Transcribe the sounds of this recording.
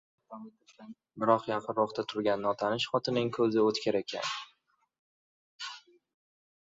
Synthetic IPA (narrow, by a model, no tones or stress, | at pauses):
bɪɾɒqjɑqʰɨnɾɒχt̪ʰat̪ʰʊɾɡʲanːɒt̪ʰanɪʃχɒt̪ʰɪnɪŋkʰɵzɪot̪kʲaɾekʲʰa̰n